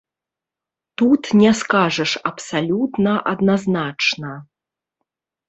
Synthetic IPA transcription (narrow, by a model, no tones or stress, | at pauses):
t̪ut̪nʲɛskaʐɐʂɐpsalʲut̪nɐʔɐd̪naznat͡ʂnɐ